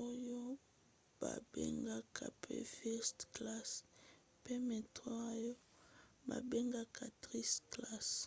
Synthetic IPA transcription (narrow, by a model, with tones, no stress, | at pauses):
o˦jo˦ | ba̰˨bḛ˦ŋɡa˦kʰa̰˨pʰḛ˦fɛ˦stkla˦s | pe˦me˨ta˦a˦jo˦ | ba̰˨be˦ŋɡa˦kʰa˨tʁi˦skla˦s